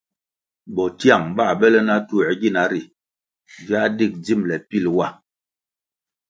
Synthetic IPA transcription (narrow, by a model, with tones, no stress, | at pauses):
bɔ˨tja˦˨ŋba˦˨bɛ˦lɛ˦na˦tu˦ɛ˨˦ɡi˦˨na˨˦ɾi˨ | vja˦di˦˨k̚d͡zi˦˨mlɛ˨pi˦lwa˦˨